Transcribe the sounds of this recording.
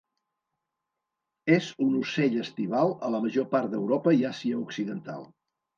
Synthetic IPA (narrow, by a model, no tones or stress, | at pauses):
ezunuseʎəst̪iβ̞alˠələməʒopaɾt̪̚d̪əwɾɔpəiasiəuksiðənt̪a̰lˠ